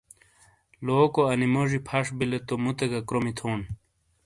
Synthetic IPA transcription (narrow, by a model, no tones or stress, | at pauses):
loːkoɐnimoʐipʰɐʂbilet̪omut̪eɡɐkɾomit̪ʰoːn